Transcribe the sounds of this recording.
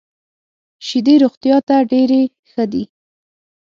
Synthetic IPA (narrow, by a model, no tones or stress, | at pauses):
ʃid̪eɾoɣt̪jɑt̪aɖeɾe | xəd̪i